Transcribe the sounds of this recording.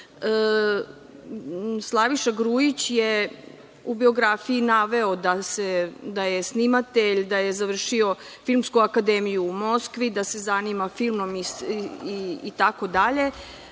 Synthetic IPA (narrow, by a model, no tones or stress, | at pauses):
ə | slˠaʋiʃaɡɾuːjit͡ɕje | ubio̞ɡɾafiinaʋe̞od̪ased̪aje̞snimat̪e̞ʎd̪aje̞zaʋr̩ʃio̞ | filˠmskuakad̪emijuːmo̞skʋid̪asezanimafilˠmo̞miiːt̪ako̞d̪aʎe̞